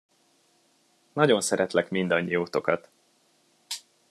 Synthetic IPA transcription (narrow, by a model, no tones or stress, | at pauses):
nɒɟo̞nsɛɾɛt̪lɛkmind̪ɒɲːijoːt̪o̞kɒt̪